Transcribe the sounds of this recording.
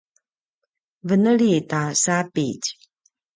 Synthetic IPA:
vənəɭitasapic

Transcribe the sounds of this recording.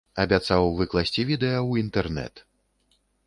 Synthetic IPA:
ɐbʲat̪sawvɨklˠasʲt͡sʲivʲid̪ɛjɐwint̪ɛrnɛ̰t̪

